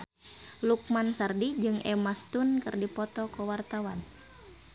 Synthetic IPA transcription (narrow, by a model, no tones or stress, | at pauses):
luk̚mansardid͡ʒɨŋʔɛmast̪unkɨrdipɔt̪ɔkɔwart̪awan